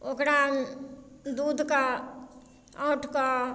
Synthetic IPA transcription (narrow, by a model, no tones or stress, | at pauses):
okɾa | d̪uːd̪ʱka | aːʈka